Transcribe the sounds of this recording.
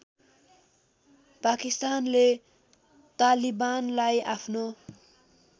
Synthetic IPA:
pakist̪anle | t̪alibanlajapʰno

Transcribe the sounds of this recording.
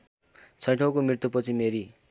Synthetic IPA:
t͡sʰʌjʈʰokomɾirt̪upʌt͡sʰimeɾi

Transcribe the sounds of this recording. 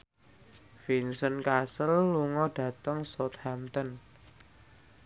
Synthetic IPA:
finsənkasəlːuŋɔɖ̥ä̤t̪əŋsɔt̪hamt̪ən

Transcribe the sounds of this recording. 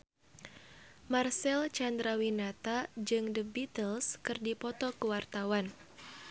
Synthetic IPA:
marsɛlt͡ʃand̪ɾawinat̪ad͡ʒɨŋdəbit̪əlskɨrdipɔt̪ɔkəwart̪awan

